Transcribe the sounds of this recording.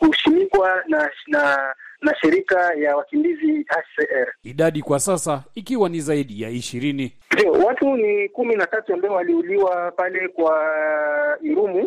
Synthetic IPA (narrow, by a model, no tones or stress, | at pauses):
uʃimikwanananaʃiɾikajawakimbiziaʃsɛʔɛɾiɗaɗikwasasaikiwanizaiɗijaiʃiɾini | ndiɔ̰watunikuminatatuambaɔwaliuliwapalɛkwa | iɾumu